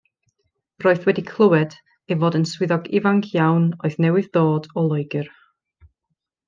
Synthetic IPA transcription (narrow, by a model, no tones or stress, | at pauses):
roːɨθwɛdikʰlˠəwɛd̥ | evoːdənswɪðɔɡɪvaŋkʰjawnɔɨðnɛwɨððoːdɔlˠɔjɡɪr